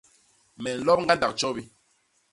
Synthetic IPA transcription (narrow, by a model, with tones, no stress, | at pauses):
mɛ˨n̩˨lɔ˦p̚ŋ̩˦ɡa˦n˦da˨k̚t͡ʃɔ˦bi˦